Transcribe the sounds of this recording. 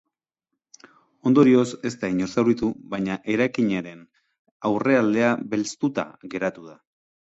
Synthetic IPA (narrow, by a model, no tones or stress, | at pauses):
o̞nd̪o̞ɾio̞se̞st̪aiɲo̞ɾsawɾit̪uβajɲaʔe̞ɾajkiɲeɾe̞n | awre̞ald̪e̞aβe̞lst̪ut̪a̰ɣe̞ɾat̪uða